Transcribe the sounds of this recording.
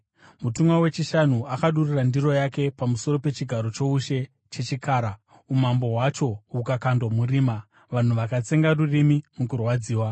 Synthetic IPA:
mutumwawet͡ʃiʃan̤uakaɗurirandiro̞jake̞pamuso̞ɾo̞pe̞t͡ʃiɡʱaɾo̞t͡ʃo̞uʃe̞ | t͡ʃe̞t͡ʃikaːɾa | umambo̞ɦwat͡ʃo̞ukakandwamuriːma | ʋan̤uʋakat͡se̞ŋɡarurimimukurwad͡ziːwa

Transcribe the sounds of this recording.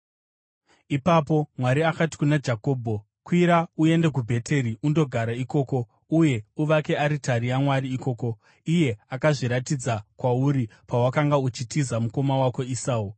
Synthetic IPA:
ipapo̞mwaɾiakati̥kunad͡ʒako̞ːbʱo | kwiɾaue̞nde̞k̬ubʱe̞tʰe̞ɾiundo̞ɡʱaɾaiko̞ːko̞ | uje̞uʋake̞aɾitaɾijamwaɾiːko̞ːko̞ | ije̞akaʐiɾatid͡zakwauɾipawakaŋɡaut͡ʃitizamuko̞mawako̞isaːu

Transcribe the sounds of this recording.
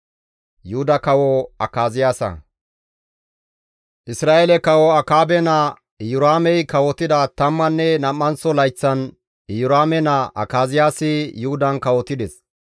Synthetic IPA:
jʊhʊd̪ɐkɐwɔɐkaːzɪjaːsɐ̰ | ʔɪsɾaːʔɛlɛkɐwɔɐkaːbɛnɐ | jʊɾaːmɛjkɐwɔt̪ɪd̪ɐt̪ɐmːɐnːɛnɐmːɐnsɔlɐjt͡sːɐn | jʊɾaːmɛnɐʔɐ̰kaːzɪjaːsɪjʊhʊd̪ɐnkɐwɔt̪ɪd̪ɛs

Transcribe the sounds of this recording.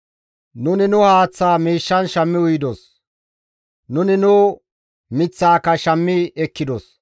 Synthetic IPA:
nʊnɪnʊhaːt͡sːaːmiːʃːɐnʃɐmːɪʊjɪd̪ɔs | nʊnɪnʊ | mɪt͡sːaːkːɐʃɐmːɪɛkːɪd̪ɔs

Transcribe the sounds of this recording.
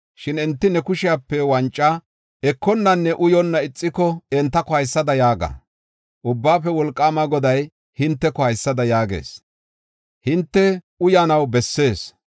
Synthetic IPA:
ʃɪnɪnt̪ːɪnɛkʊʃɪjaːpːɛwɐnt͡ʃʼːɐ | ɛkːɔnːɐnːɛʔʊjɔnːɐɪt͡sʼːɪkɔɛnt̪ːɐkɔhɐjsːɐd̪ɐjaːɡɐ̰ | ʔʊbːaːpːɛwɔlkʼːaːmɐɡɔd̪ɐj | hɪnt̪ːɛkɔhɐjsːɐd̪ɐjaːɡe̞̰ːs | hɪnt̪ːɛ | ʊjanɐwbɛsːe̞ːs

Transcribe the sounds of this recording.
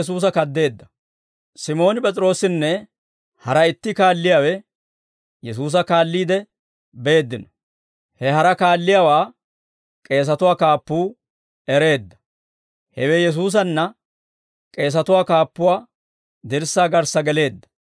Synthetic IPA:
s̬uːs̬ɐkɐd̪ːe̞ːd̪ːɐ̥ | sɪmo̞ːnɪpʼɛt͡sʼɪɾo̞ːsɪnːɛ | hɐɾɐɪt̪ːɪkaːlːɪjaːwɛ | jɛs̬uːs̬ɐkaːlːiːd̪ɛ | be̞ːd̪ːɪnɔ̥ | hɛɦɐɾɐkaːlːɪjawaː | kʼe̞ːs̬ɐt̪ʊwaːkaːpːuː | ɛɾe̞ːd̪ːɐ̥ | hɛwɛjɛs̬uːs̬ɐnːɐ | kʼe̞ːs̬ɐt̪ʊwaːkaːpːʊwaː | d̪ɪɾsaːɡɐɾsɐɡɛle̞ːd̪ːɐ̥

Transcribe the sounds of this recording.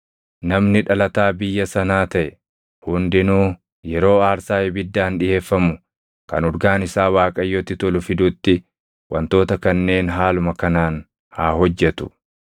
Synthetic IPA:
nɐmnɪᶑɐlɐt̪aːbɪjːɐsɐnaːt̪ɐʔɛ | hʊnd̪ɪnuː | jɛɾo̞ːaːɾsaːɛbɪd̪ːaːnᶑɪʔe̞ːfːɐmʊ | kɐ̰nɔɾɡaːnɪsaːwaːkʼɐjːɔt̪ːɪt̪ɔlʊfɪd̪ʊt̪ːɪ | wɐ̰nt̪o̞ːt̪ɐkɐnːe̞ːnɦaːlʊmɐkɐnaːn | haːɦɔd͡ʒːɛt̪ʊ̥

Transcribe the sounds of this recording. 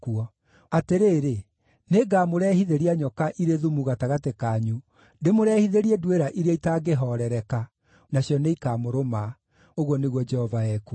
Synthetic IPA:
kuɔ | ateɾeːɾe | neɡaːmoɾɛhiðeɾiaɲɔkaʔiɾeðumuɣataɣatekaɲu | ndemoɾɛhiðeɾiɛdweɾaʔiɾeaitaɡeɦɔɾɛɾɛka | naɕjɔneikaːmoɾoma | oɣwɔneɣwɔd͡ʒɛhɔvaɛku

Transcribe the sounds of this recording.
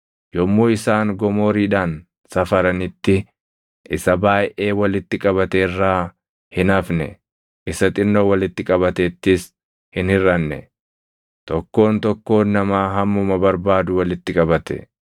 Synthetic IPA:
jɔmːoːɪsaːŋɡɔmo̞ːɾiːᶑaːn | sɐfɐɾɐnɪt̪ːɪ | ʔɪsɐbaːjʔe̞ːwɐlɪt̪ːɪkʼɐβɐt̪ɛrːaː | hɪnɐfnɛ̰ | ʔɪsɐt̪ʼɪnːowɐlɪt̪ːɪkʼɐbɐt̪ɛt̪ːɪs | hɪnhɪɾɐnːɛ̰ | t̪ɔkːo̞ːnt̪ɔkːo̞ːnːɐmaːɦɐmːʊmɐbɐɾbaːd̪ʊwɐlɪt̪ːɪkʼɐbɐt̪ɛ̰

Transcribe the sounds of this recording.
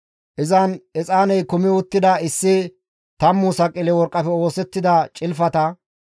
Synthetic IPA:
ʔɪzɐnɛt͡sʼaːnɛjkʊmɪʊt̪ːɪd̪ɐɪsːɪ | t̪ɐmːuːsɐkʼːɪlɛwɔɾkʼːɐfɛo̞ːsɛt̪ːɪd̪ɐt͡ʃʼɪlfɐt̪ɐ

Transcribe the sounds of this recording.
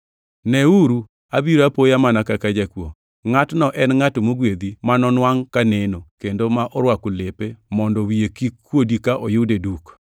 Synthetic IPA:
nɛuɾu | abiɾapojamanakakad͡ʒakwo̰ | ŋatnɔʔɛnŋatomoɡwed̪imanɔnwaŋkanenokendomaʔɔɾwakulepemɔndɔwiekikːwodikaʔɔjʊdeduk

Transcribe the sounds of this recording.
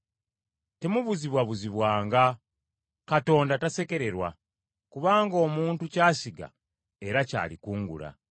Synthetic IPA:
te̞muβuziβwaβuziβwaːŋɡa | kato̞ːndatase̞ke̞ɾe̞ɾwa̰ | kuβaːŋɡo̞ːmuːntucaːsiɡa̰ | e̞ɾaca̰ːlikuːŋɡṵɾa̰

